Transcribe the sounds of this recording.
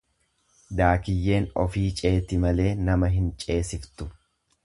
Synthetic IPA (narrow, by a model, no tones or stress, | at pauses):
d̪aːkɪjːe̞ːnɔ̰fiːt͡ʃʼe̞ːt̪ɪmɐle̞ːnɐmɐɦɪnt͡ʃʼe̞ːsɪft̪ʊ